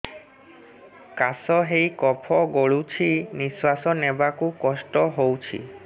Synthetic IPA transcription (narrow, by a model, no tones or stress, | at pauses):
kasɔɦejkɔpʰɔɡoɭut͡ʃʰiniswasɔnebakukɔsʈɔɦowt͡ʃʰḭ